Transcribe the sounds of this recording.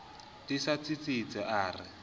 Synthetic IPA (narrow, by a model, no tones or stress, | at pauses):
tisat͡sit͡sit͡sɛʔaːrɪ